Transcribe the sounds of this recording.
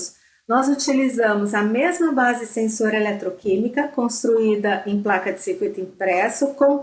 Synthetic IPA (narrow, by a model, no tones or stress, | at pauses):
s | nɔzut͡ʃilizɐ̃mʊzɐmezmɐbazɪsẽsoɾɐelɛt̪ɾokĩmikɐkõst̪ɾuid̪ɐʔẽj̃plakɐd͡ʒɪsiɾkwit̪ʊĩpɾɛsʊkõw̃